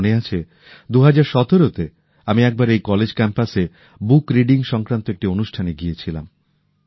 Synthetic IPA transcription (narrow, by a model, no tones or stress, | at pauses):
neat͡ɕʰe | d̪uɦad͡ʑaɾʃɔt̪oɾot̪e | amiɛk̚baɾejkɔled͡ʑkɛmpase | bukɾiɖiŋʃɔŋkɾant̪oek̚ʈionuʃʈʰaneɡijet͡ɕʰilam